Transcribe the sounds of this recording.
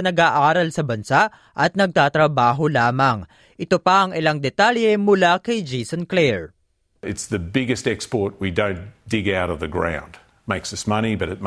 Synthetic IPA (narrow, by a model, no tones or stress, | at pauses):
ɐnɐɡaːʔaːɾɐlsɐbɐnsaʔ | ʔɐt̪̚nɐɡ̚t̪aːt̪ɾɐbaːɦolaːmɐŋ | ʔɪt̪opɐʔɐŋɪlaŋd̪ɛt̪aljɛmʊlakɐjd͡ʒisonklɛɹ | ɨtsðɨbɪɡɨstɛkspɔɹt̚widõʊ̃nd̥ɪɡaʊɾʌvðɨɡɹã̰ʊ̃nd | meɪksʌsmʌñibʌɾɨt̚m